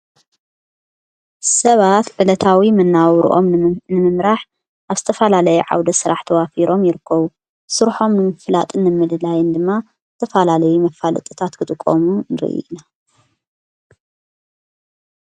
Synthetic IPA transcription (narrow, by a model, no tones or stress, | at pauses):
sɐβat̪ʕɨlɐt̪ʰawimɐnːawɾṵʔo̞̰mnɨmɨmɾaħ | ʔaβzɨt̪ʰɐfɐlalɐjɛʕa̰wd̪ɐsɨɾaħt̪ʰɐwafiɾʔo̞mjɪɾɨkʰːɐβu | sɨɾħo̞mnɨmɨfla̰t̪ʼɨnːɨmːɨlɨlajɨnd̪ɨmːa | zɨt̪ʰɐfalalɐjumɐfalɨ̰t̪ʼɨt̪ʰat̪kʰɨt̪ʼɨkʼːo̰munɨɾɨ̰ʔḭna